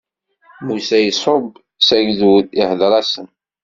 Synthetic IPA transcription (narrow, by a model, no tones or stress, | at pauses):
musæjəsˤob | sæʝðwihðɾˤɑsən